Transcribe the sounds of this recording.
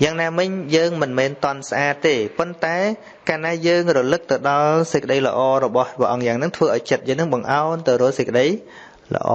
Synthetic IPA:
jaːŋnaːmɨɲjəːŋmɨnmɛːnt̪ŏənsʔaːt̪ːeːpont̪aɛ | kaːnaːjəːŋrɔlɨk̚t̪ɨwɗɑlsɨc̚kːə̆ɗəjlə̰̆ʔɑːrɔɓɑhʋəəʔɑŋjaːŋnɨŋt̪ʰʋəːʔaɔjt͡ɕət̪̚jəːŋnɨŋɓɑŋʔaɔnt̪ɨwɾʊ̆əlsəc̚kːə̆ɗəj | lə̰̆ʔɑ̰ː

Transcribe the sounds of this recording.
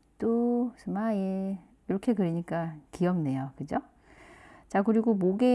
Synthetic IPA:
t͈osʰɯmae | iɾʌkʰe̞kɯɾiɲik͈akiʌmne̞jokɯd͡ʑo | t͡ɕakɯɾiɡomoɡe

